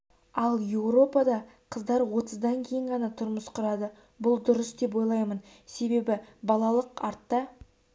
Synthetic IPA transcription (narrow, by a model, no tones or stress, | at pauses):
ɑlˠje̞wɾo̞pɑd̪ɑqʰəzd̪ɑɾwo̞t̪əzd̪ɑŋkʲʰe̞jɪɴʁɑnɑt̪ʰʊɾməsqʰʊɾɑd̪ə | bʊlˠd̪ʊɾəsd̪e̞po̞jlˠɑjmən | se̞be̞bɪbɑlˠɑlˠəqɑɾt̪ːɑ